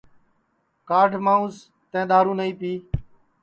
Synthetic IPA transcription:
kaːɖʱmãːũːz | t̪ɛ̃ːɗ̪aːɾũːnəĩːpiː

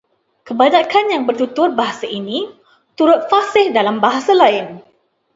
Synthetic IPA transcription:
kəbaɲãkanjaŋbərt̪ut̪ʊrbaɦasaʔinĩ | t̪uɾʊt̪̚fasɪhdalambaɦasalaɪn

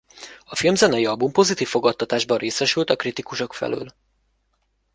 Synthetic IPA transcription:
ɒfilmzɛnɛjiɒbumpo̞zit̪iːfːo̞ɡɒt̪ːɒt̪aːʒbɒreːsɛʃylt̪ɒkrit̪ikuʃo̞kfɛ̰lø̰ːl

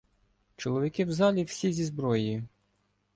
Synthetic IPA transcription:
t͡ʃɔlˠɔʋʲikɪwzɑlʲiwsʲizʲizbɾɔjji

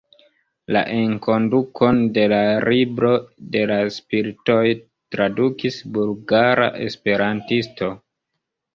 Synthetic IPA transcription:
la̰ʔeŋko̞ndukʰo̞nde̞laɾibɾo̞de̞laspiɾito̞j | tɾadukisbulɡaɾa̰ʔe̞̰spe̞ɾantisto̞

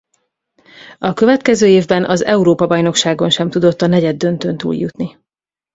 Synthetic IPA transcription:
ɒkø̞vɛt̪kɛzøːeːvbɛnʔɒzɛuɾoːpɒbɒjno̞kʃaːɡo̞nʃɛmt̪ud̪o̞t̪ːɒnɛɟɛd̪ːø̞nt̪ø̞nt̪ṵːljut̪ni

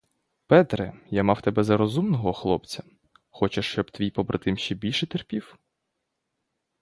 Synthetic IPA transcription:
pɛt̪ɾɪjamɑwt̪ɛbɛzɐɾɔzumnɔɦɔxlˠɔp̚t͡sʲɐ | xɔt͡ʃeʃt͡ʃɔbt̪ʋʲijpɔbɾʔɐt̪ɪmʃt͡ʃɛbʲilʲʃɛt̪erpʲiw

